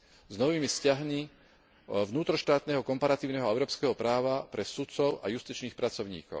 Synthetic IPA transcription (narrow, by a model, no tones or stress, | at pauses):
znɔʋiːmifscaɦmi | ʋnuːt̪ɾɔʃt̪aːt̪nɛɦɔkɔmpaɾat̪iːʊnɛɦɔɛʊɾɔːpskɛɦɔpɾaːʋapɾɛsut̪t͡sɔʊa̰just̪iːt͡ʃniːxpɾat͡sɔʊɲḭːkɔ̰ʊ